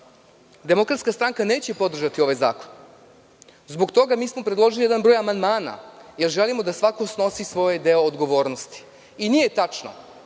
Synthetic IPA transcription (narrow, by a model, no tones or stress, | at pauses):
d̪e̞mo̞kɾat̪skast̪ɾaŋkane̞ːt͡ɕepo̞d̪r̩ʒat̪io̞ʋajza̰ːkon | zbo̞ɡt̪o̞ɡamiːsmo̞pɾed̪lˠo̞ʒilijed̪anbɾo̞ːjamand̪maːna̰je̞ɾʒelimo̞d̪asʋako̞sno̞sisʋo̞jed̪e̞o̞ːd̪ɡo̞ʋo̞ːɾnost̪i̥ | inijet̪at͡ʃno̰